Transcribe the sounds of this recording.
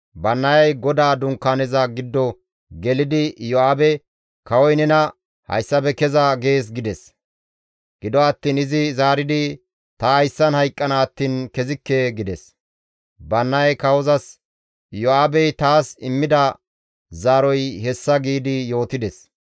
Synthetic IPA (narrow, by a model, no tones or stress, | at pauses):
bɐnːɐjɐjɡɔd̪aːd̪ʊŋkːaːnɛzɐɡɪd̪ːɔ | ɡɛlɪd̪ɪjɔaːbɛ | kɐwɔjnɛnɐ | hɐ̰jsːɐbɛkɛzɐɡe̞ːs̬ɡɪd̪ɛs | ɡ̥ɪd̪ɔɐt̪ːiːnɪzɪzaːɾɪd̪ɪ | t̪ɐhɐjsːɐnhɐjkʼːɐnaːt̪ːiːnkɛzɪkːɛɡɪd̪ɛs | bɐnːɐɐjkɐwɔzɐs | jɔaːbɛjt̪aːsɪmːɪd̪ɐ | zaːɾɔjhɛsːɐɡiːd̪ɪjo̞ːt̪ɪd̪ɛs